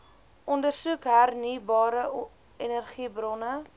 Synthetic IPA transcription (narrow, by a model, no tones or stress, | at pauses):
ʔɔndərsukɦærnibɑːɾə | enərχibrɔnə